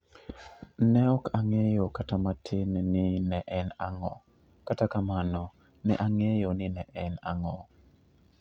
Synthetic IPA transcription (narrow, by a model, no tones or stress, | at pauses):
nɛɔkaŋejokatamatʰɪnnɪnɛʔɛnaŋɔ̰ | katakamanɔ | nɛ̰ʔaŋejonɪnɛʔɛnaŋɔ